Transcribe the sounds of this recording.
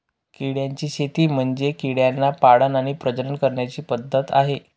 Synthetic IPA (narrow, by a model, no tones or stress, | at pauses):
kiɽjaɲt͡ɕiːɕet̪iːm̤əɳd͡zekiɽjanːapaɽənaɽ̃ipɾəd͡ʑəɾənkəɾɳjat͡ɕiːpəd̪ʱːət̪a̰ɦe